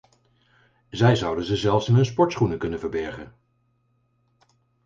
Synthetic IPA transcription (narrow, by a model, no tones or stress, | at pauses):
zɛjzɑwdənzəzɛlˠfsɪnɦɵnspɔɹtsχunəkɵnənvəɹbɛɹχə̰n